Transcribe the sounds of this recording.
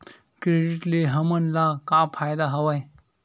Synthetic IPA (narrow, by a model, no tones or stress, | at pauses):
kɾeɖiʈleɦəmənlakapʰajd̪aɦəʋaj